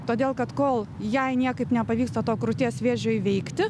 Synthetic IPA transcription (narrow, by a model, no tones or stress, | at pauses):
t̪oːd̪ʲeːlˠkɐt̪koːlˠ | jɛɪnʲiɛkɐɪpnʲɛpɐʋʲiːkst̪ɐt̪oːkɾʊt̪ʲeːsʋʲeːʒʲoːjʋʲɛɪkt̪ʲɪ